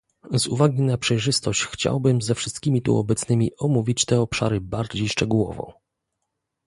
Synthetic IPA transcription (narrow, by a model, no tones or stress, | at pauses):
zṵvaɡʲinapʂɛjʐɘst̪ɔɕt͡ɕxt͡ɕa̰wbɘmzɛfʂɘst̪̚kʲimʲit̪ṵɔ̰bɛt̪snɘmʲiɔmuvʲit͡ɕt̪ɛɔpʂa̰ɾɘbaɾd͡ʑejʂt͡ʂɛɡuwɔ̰vɔ̰̃w̃